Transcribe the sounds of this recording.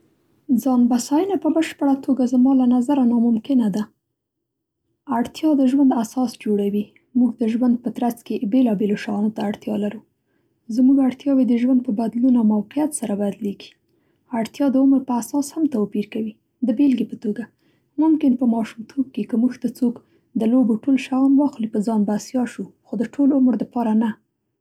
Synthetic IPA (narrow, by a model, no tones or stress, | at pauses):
zɑnbasɑjənapəbəʃpəɽat̪ʰoɡazamɑlanazaɾanɑmʊmkɪnad̪a | aɽt̪jɑd̪əʒwand̪asɑsd͡ʒoɽawi | muɡd̪əʒwand̪̚pət̪ɾat͡skebelɑbeloʃɑnot̪aːɽt̪jɑ̰laɾu | zmuɡaɽt̪jɑwed̪əʒwand̪̚pəbad̪lunawmawqijat̪saɾabad̪leɡi̥ | aɽt̪jɑd̪əʊmɾpəasɑshamt̪awpiɾkawi | d̪əbelɡepət̪oɡa | mʊmkɪnpəmɑʃumt̪ʰob̚kekəmuʒt̪at͡sok | d̪əloboʈolʃajɑnwɑxlipəzɑnbasjɑʃuxod̪əʈʰolʊmɾd̪əpɑɾana